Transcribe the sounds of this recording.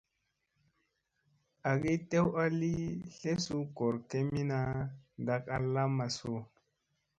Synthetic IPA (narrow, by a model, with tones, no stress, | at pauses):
a˨ɡi˦te˦wa˦li˦ɬe˦su˦ko˨ɾte˦mi˦na˦da˨ka˨la˦ma˨su˨